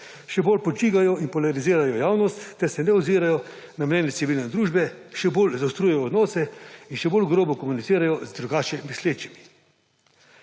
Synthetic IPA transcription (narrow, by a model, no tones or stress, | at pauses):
ʃɛboːlpɔd͡ʒiːɡajɔinpɔlaɾiziːɾajɔjaːwnɔst̪ːɛɾsɛnɛɔziːɾajɔ | namnʲɛːnjɛt̪siʋiːlnɛd̪ɾuːʒbɛʃɛboːlzawst̪ɾuːjɛjɔːd̪nɔːsɛinʃɛboːlɡɾoːbɔkɔmunit̪siːɾajɔzd̪ɾuɡaːt͡ʃɛmisleːt͡ʃimi̥